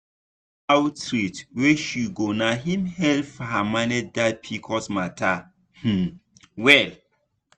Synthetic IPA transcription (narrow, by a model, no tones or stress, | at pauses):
awtɾitweʃuɡonaɦĩmhɛlfhamanɛdat̚pʰikʰɔsmatʰa | h̩wɛl